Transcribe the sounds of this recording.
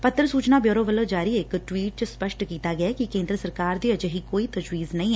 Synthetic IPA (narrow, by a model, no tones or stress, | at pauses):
pət̪ːɾəsuːt͡ʃnaːbjoːɾoːʋəloːd͡ʒaːɾiekʈwiːʈ̚t͡ʃəspəʃʈkiːt̪aːɡɪaːkikẽːnd̪ɾəsəɾkaːɾd̪iːəd͡ʒɦikoːit̪əd͡ʒwiːznɐĩː